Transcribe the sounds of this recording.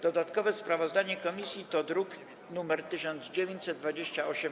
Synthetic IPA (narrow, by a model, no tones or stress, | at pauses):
d̪̥ɔd̪at̪kɔvɛspɾavɔzd̪aɲɛkɔmʲisʲjit̪ɔd̪ɾuk | numɛɾt̪ɘɕɔnd̪zd͡ʑevʲjeɲt͡ɕsɛt̪̚d̪vad͡ʑeɕt͡ɕaɔɕɛ